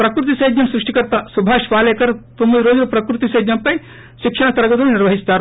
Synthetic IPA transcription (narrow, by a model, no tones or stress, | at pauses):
pɾɐkɾut̪isɐjd̪jɐmsɾuʂʈikɐɾt̪aːsubʱaːʃʋaːlekɐɾt̪umiɾoːd͡ʒɾɐpɾɐkɾut̪isɐjd̪jɐmpɐj | ʃikʂɐɳɐt̪ɐɾɐɡɐt̪unniɾʋɐɦist̪aːɾ